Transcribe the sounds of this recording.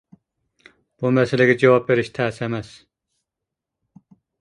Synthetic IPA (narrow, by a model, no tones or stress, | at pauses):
b̥umɛsɛlɛɡʲɛd͡ʒewɑp̚beɾɪʃt̪ʰæːsɛmɛs